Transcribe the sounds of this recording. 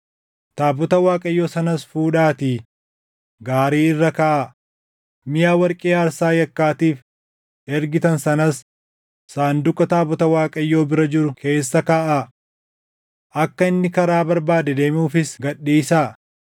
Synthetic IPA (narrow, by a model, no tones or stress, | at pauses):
t̪aːbɔt̪ɐwaːkʼɐjːoːsɐnɐsfuːᶑaːt̪iː | ɡaːɾiːɪrːɐkaːʔa | mɪjaːwɐɾkʼeːɐɾsaːjɐkːaːt̪iːf | ʔɛɾɡɪt̪ɐnsɐnɐs | saːnd̪ʊkʼːɐt̪aːbɔt̪ɐwaːkʼɐjːo̞ːbɪɾɐd͡ʒɪɾʊkʰe̞ːsːɐkaːʔa | ʔɐkːɐɪnːɪkɐɾaːbɐɾbaːd̪ɛd̪e̞ːmɪuːfɪsɡɐɗːiːsaː